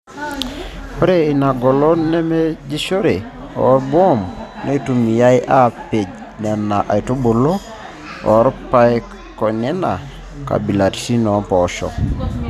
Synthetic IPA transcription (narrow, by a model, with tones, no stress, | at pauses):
pɾe˦ina˨ɡɔ˨lɔ˦ne˦me˦d͡ʒi˦ʃo˦ɾe˨ | ɔ̰˨ɾbwɔ˦mne˦tu˨mi˨ja˦jʔa˦pe˨d͡ʒ | na˨na˨ʔa̰˨i˨to˦bo˨lo˦ | ɔ̰˨ɾpaj | kɔ˨nɛ˦na˨ | ka̰˨bi˨la˨ɾsi˦nɔ˨˦mpɔʃɔ̰˨